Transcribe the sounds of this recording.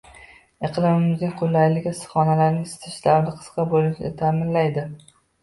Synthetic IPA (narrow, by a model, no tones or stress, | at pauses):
eqʰlˠɪmɪmɪzʲɪqʰʊlːajlɪɡʲasɨ̥χɒnalaɾnɪŋsɪ̥t̪ʰɪ̥ʃlaɾnɪqʰɨ̥sqɑbolɪʃɪnɪt̪ʰamɪnlajd̪ɪ